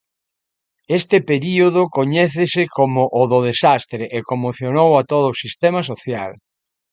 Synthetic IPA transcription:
est̪ɪpeɾioðʊkoɲɛθesɪkʰomʊʔːðʊðesast̪ɾeʔekomoθjonowat̪oðʊsist̪ɛmas̬oθjal

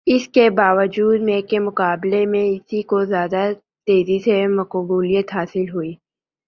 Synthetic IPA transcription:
ɪskebaːʋəd͡ʒuːd̪mẽːkemʊkaːblemẽɪsikozjaːd̪a | t̪eːzisemɐkbuːlijət̪ɦaːsɪlɦuiː

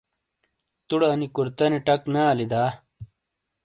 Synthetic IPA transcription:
t̪uɽɐnikuɾt̪ɐniʈɐknaːlid̪aː

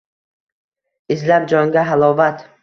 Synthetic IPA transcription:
ɪzlap̚d͡ʒɒŋɡʲaɦalˠɒvat̪

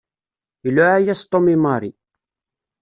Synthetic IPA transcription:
lːʊʕæjæst̪ˤːomimɑɾˤi

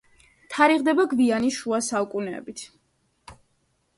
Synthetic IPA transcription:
t̪ʰaɾiʁd̪ɛbaɡvianiʃuasaukʼunɛ̰bit̪ʰ

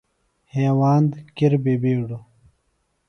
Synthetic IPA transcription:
heːwaːnd̪kiɾbeːbeːɽo

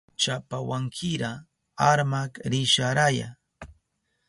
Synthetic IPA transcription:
t͡ʃapawaŋkʰɪɾa | aɾmakɾɪʃaɾaja̰

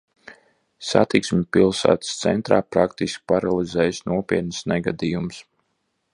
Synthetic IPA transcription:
sa̰t̪iksmʲipilˠsæ̰ːt̪st̪sɛ̰nt̪ɾaːpɾakt̪iskʲi̥paɾalˠizɛːjsnuɔpʲiɛt̪nɨsnɛɡad̪iːjums

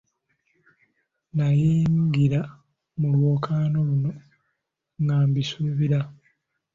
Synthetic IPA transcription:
najiːŋɡiɾa | mulwo̞ːkʰaːno̞luno̞ | ŋɡaːmbisuβiɾa

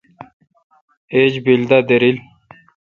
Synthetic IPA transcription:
ed͡ʑbild̪ad̪eɾil

